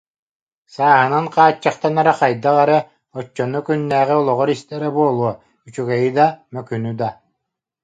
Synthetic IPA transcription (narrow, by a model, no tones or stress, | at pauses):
saːɦɯnanqaːt͡ɕːaχt̪anaɾaqajd̪aʁaɾɯ | ɔt͡ʃːɔnukynːæːʁiɔlˠɔʁɔɾist̪ɛɾɛbuɔlˠuɔ | yt͡ʃyɡɛjid̪amœkynyd̪a